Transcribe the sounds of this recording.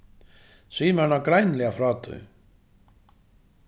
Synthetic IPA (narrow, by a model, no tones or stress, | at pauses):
sviːmaɾnakɾajnlɛɣafɾaːt̪ʏ̰